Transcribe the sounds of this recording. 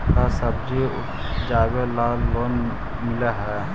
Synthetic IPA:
kasəb̚d͡ʒiʊ | d͡ʒaːbelaːlːoːn | mɪleɦɛː

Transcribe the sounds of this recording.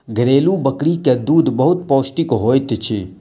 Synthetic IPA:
ɡʱɾeːlũbəkɽikjãd̪uːd̪bəɦʊt̪̚poːsʈikɦoːjt̪t͡ʃʰe

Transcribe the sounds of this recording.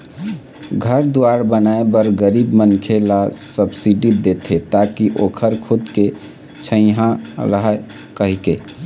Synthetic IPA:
ɡʱəɾd̪uaɾbənaebəɾɡəɾibmənkʰelasəbsiɖid̪et̪ʰet̪akiʔokʰəɾkʰud̪ke | t͡ʃʰə̃ɪ̃ɦãɾəɦɛ | kəɦike

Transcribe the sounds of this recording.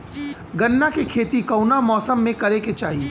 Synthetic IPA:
ɡɐnːakekʰeːt̪ikɐwnamɔːsəmːẽkɐɾeket͡ʃaːɦie

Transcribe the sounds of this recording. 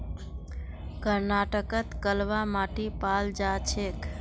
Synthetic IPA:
kəɾnaʈəkət̪kəlʋamaʈipald͡ʒat͡ʃʰek

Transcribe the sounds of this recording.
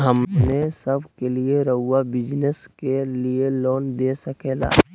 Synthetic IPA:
ɦəmnesəbʱkelieɾəɦʊːabɪd͡ʒneskelieloːnd̪eːsəkeːla̰ː

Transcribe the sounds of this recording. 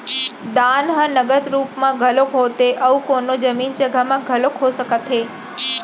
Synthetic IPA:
d̪anɦãnəɡəd̪ɾuːpmãɡʱəlokʰot̪eʔəũkonod͡ʒəmind͡ʒəɡʱamãɡʱəlokʰosəkət̪ʰe

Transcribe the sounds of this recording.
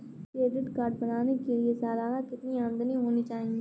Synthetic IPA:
kɾeːɖɪʈkaːɾɖbɐnaːnekeliesaːlaːɾakɪt̪niaːmd̪əniɦoːnit͡ʃaːɦɪ̃ŋɡiː

